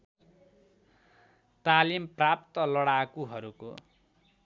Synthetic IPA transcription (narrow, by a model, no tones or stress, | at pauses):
t̪alimprap̚t̪ʌlʌɽakuɦʌɾuko̰